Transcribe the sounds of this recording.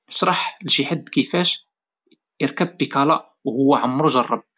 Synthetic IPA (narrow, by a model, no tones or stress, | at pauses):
ʃɾˤɑħlʒiħad̪kəfæʃ | əɾkæb̚ːikɑlɑʔ | whʊwːæʕamːɾuʒɑrˤːɑb̚